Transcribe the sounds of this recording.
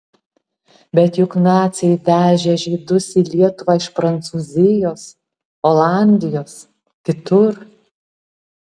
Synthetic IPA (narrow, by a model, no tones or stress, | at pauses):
bʲɛt̪jʊknɑːt̪sʲɛɪd̪ʲæːʒʲɛʒʲid̪ʊsiːlʲiɛt̪ʊʋɑɪʃpɾɐnt̪suːzʲɪjoːs | oːlˠɑˑnʲd̪ʲɪjoːs | kʲɪt̪ʊɾ